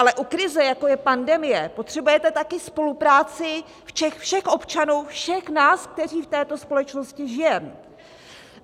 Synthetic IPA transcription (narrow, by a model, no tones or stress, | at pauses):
ʔalɛʔukɾɪzɛjako̞jɛpandɛmɪjɛpo̞t̪r̝̥ɛbujɛt̪ɛt̪akɪspo̞lupɾaːt͡sɪ | fʃɛxfʃɛxʔo̞pt͡ʃanuːfʃɛxnaːsk̚t̪ɛr̝iːft̪ɛːt̪o̞spo̞lɛt͡ʃno̞scɪʒɪjɛm